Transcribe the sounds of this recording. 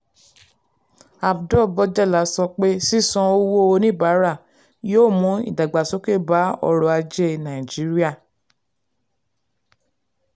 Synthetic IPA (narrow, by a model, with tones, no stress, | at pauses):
a˨fdɔ˦˨bɔ˧d͡ʒɛ˦˨la˨˦sɔ˧k͡pe˦si˦˨sɔ̃˧o˧wo˦o˧nĩ˦˨ba˨˦ɾa˦˨ | joː˦˨mũ˨˦ḭ˦˨da˨ɡ͡ba˨so˦ke˦˨ba˨˦ɔ̰˧ɾɔ˧a˧d͡ʒe˦nã˨ĩ˨d͡ʒi˨˦ɾi˦a˦˨